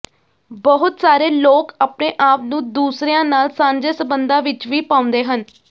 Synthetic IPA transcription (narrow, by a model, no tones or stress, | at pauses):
bəɦʊt̪saːɾeːloːkaːpneːʔaːpnũːd̪uːsɾejãːnaːlsãːɲd͡ʒeːsəbənd̪ãːʋɪt͡ʃʋiːpaːʊ̃nd̪eːɦən